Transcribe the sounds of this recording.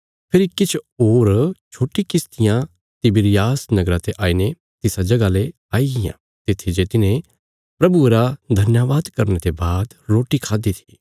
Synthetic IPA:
pʰɪɾikɪt͡ʃʰoːɾt͡ʃʰoːʈikɪst̪ɪjã | t̪ɪbɪɾɪjaːsnɐɡɾãt̪eʔaːine | t̪ɪsad͡ʒɐɡale | aːiɡɪjã̰ | t̪ɪt̪ʰːid͡ʒet̪ɪnẽ | pɾɐbuɾad̪ʱɐnjaʋaːd̪kɐɾnet̪ebaːd̪ɾoːʈikʰaːd̪it̪ʰi̥

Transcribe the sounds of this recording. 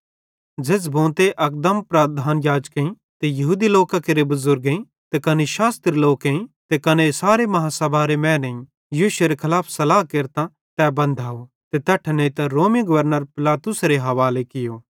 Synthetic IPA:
d͡ʒeːs̬bõːt̪eʔɐk̚d̪əmpɾad̪ʱaːnjaːd͡ʒkeĩ | t̪ejɐɦuːd̪iloːkakeɾebɐzʊɾɡeĩ | t̪ekɐneʃaːst̪ɾiloːkeĩt̪ekɐnesaːɾemɐɦãsɐbʱaɾemɛ̃ːnɐĩ | jiːʃeɾekʰɐlaːpʰsɐlaːɦkeɾt̪ã | t̪ɛbɐ̃nd̪ʱaːo | t̪et̪ɛʈʰnẽĩt̪ɐɾoːmiɡɐʋəɾnəɾpɪlaːt̪ʊsɾeɦɐʋaːlekɪjoː

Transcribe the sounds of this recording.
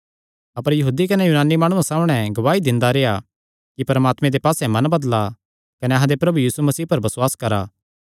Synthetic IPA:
ɐpəɾjɐɦuːd̪ikɐnɛjuːnaːnːimaːɽ̃uasaːmɽ̃ɛ̃ɡɐʋaːid̪ɪ̃nd̪aɾeːa | kipɐɾmaːt̪mẽd̪epaːsɛmɐ̃nbɐd̪la | kɐneɐɦãd̪epɾɐbujiːsumɐsiːɦpɐɾbɐswaːskɐɾa̰ː

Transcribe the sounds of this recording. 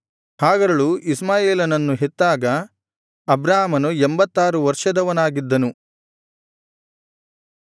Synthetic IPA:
haːɡɐɾɐɭuʔismaːjeːlɐnɐnːuɦet̪ːaːɡɐ | ɐbɾaːɦɐmɐnuembɐt̪ːaːɾuʋɐɾʂɐd̪ɐʋɐnaːɡid̪ːɐnu

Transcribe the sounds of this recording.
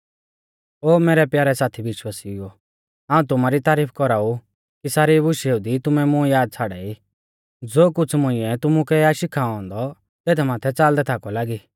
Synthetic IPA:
oːmeːɾɛpjaːɾɛsaːt̪ʰiʋɪʃwasio | ɦãːũt̪ʊmaɾit̪aːɾiːpʰkɔɾaːu | kisaːɾibʊʃeud̪it̪ʊmɛmʊ̃jaːd̪̚t͡sʰaːɽai | d͡zoːkʊt͡sʰmʊ̃ɪ̃ɛt̪ʊmukɛaʃɪkʰaːɔ̃ːnd̪ɔ | t̪eːt̪ʰɛmaːt̪ʰɛt͡saːld̪ɛt̪ʰakɔlaːɡiː

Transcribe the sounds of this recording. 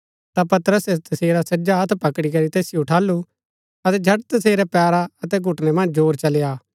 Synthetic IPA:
t̪apɐt̪ɾəset̪ɐseːɾasɐd͡ʒaɦɐt̪ʰpɐkɽikɐɾit̪eːsɪjoʈʰaːlːu | ɐt̪ɛd͡ʒʱɐʈ̚t̪ɐs̬eːɾɛpɛːɾaɐt̪ɛɡʱʊʈnɛmɐ̃nd͡ʒd͡ʒoːɾt͡ʃɐlejaː

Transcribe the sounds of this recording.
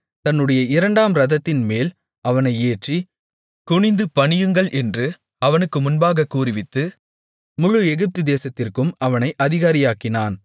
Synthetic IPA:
t̪ɐnːɯɽɐjɐɪɾɐɳɖaːmɾɐðɐt̪ːɪnmeːl | ɐʋɐnɐɪeːʈri | kʊɳɪnd̪ɯpɐɳɪjɯŋɡɐɭʔɛndrɯ | ɐʋɐnɯkːɯmʊnbaːɣɐkːuːrɪʋɪt̪ːɯ | mʊɻʊɛɣɯp̚t̪ɯd̪eːsɐt̪ːɪrkɯmɐʋɐnɐɪʔɐðɪɣaːɾɪjaːkɪnaːn

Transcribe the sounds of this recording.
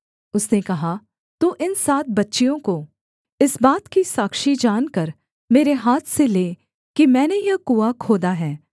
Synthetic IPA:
ʊsnekɐɦa | t̪uːʔɪnsaːt̪̚ʰbɐtːʃijõko | ɪsbaːt̪kisaːkʃid͡ʒaːnkɐɾ | meːɾeɦaːt̪ʰseleː | kimɛ̃ːnejɐkuːakʰoːd̪aɦɛː

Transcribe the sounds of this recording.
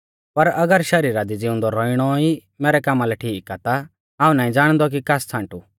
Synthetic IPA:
pɐɾɐɡəɾʃɐɾiːɾad̪id͡zɪʊ̃nd̪ɔɾɔːiɽ̃ɔi | mɛːɾɛkaːmalɛʈʰiːkat̪a | aːũnaːĩd͡zaːɽ̃d̪ɔk̬ikast͡sʰãːɳʈu

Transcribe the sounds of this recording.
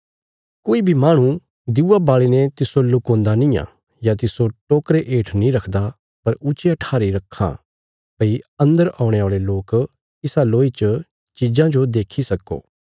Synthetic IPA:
koːibʱimaːɽ̃ũ | d̪ɪuːabaːɭinɛt̪ɪsolʊkõːnd̪anĩːã̰ː | jat̪ɪsoʈoːkɾeʔeːʈʰnĩɾɐkʰd̪a | pɐɾʊt͡ʃeɐʈʰaːɾiɾɐkʰːã̰ | pɐiɐ̃nd̪əɾãːʊ̃ɽ̃eaːɭeloːk | ɪsaloːit͡ʃə | t͡ʃid͡ʒãd͡ʒod̪eːkʰisɐkːo̰ː

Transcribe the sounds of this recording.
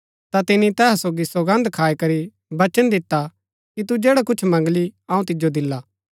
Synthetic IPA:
t̪at̪ɪnit̪ɛːɦsoːɡisoɡɐ̃nd̪kʰaːikɐɾi | bɐt͡ʃənd̪ɪt̪ːa | kit̪ud͡ʒeːɽakʊt͡ʃʰmɐ̃ŋɡliɐũt̪ɪd͡ʒod̪ɪlːaː

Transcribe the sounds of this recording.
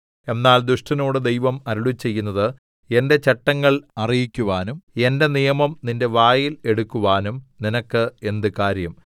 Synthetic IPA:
e̞nːaːld̪ɾuʂʈɐno̞ːɽɨd̪e̞jʋɐmɐɾuɭut͡ɕːe̞jːunːɐðɨ | e̞nde̞t͡ɕeʈːɐŋːɐɭɐrijikʲːuʋaːnume̞nde̞nijɐmɐmninde̞ʋaːjile̞ɽukːuʋaːnumninɐkːɨe̞nd̪ɨkaːɾjɐm

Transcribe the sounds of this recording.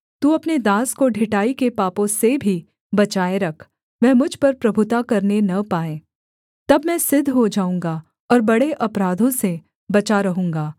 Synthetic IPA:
t̪uɐpned̪ãːskoɖʱɪʈaːikepaːpõsebʱi | bɐt͡ʃaːeɾɐkʰ | ʋɛːmʊd͡ʒʱpɐɾpɾɐbʱʊt̪akɐɾnenɐpaːẽː | t̪ɐbmɛ̃sɪd̪ʱːɦod͡ʒaːũːŋɡa | ɔːɾbɐɽeʔɐpɾaːd̪ʱõse | bɐt͡ʃaɾɐɦũːŋɡaː

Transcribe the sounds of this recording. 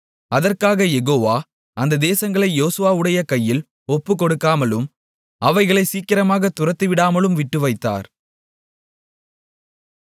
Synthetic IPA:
ɐðɐrkaːɣɐjɛɣoːʋaː | ʔɐnd̪ɐd̪eːsɐŋɡɐɭɐɪjoːsɯʋaːɯɽɐjɐkɐjːɪl | ɔpːɯkːɔɽɯkːaːmɐlɯm | ɐʋɐɪɣɐɭɐɪsiːkːɪɾɐmaːɣɐt̪ːʊrɐt̪ːɯɪʋɪɽaːmɐlɯmʋɪʈːɯʋɐɪt̪ːa̰ːɾ

